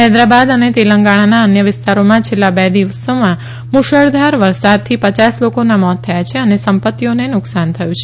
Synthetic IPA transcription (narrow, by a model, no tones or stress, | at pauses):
ɦɛd̪ɾabad̪ənet̪eləŋɡaɽ̃anaənjəʋɪst̪aɾomãt͡ʃʰelːabɛd̪iʋəsomã | muʃəɭd̪ʱaɾʋəɾsad̪̚t̪ʰipət͡ʃaslokonamɔt̪ʰːəjat͡ʃʰeənesəmpət̪ːionenʊksant̪ʰəjũt͡ʃʰe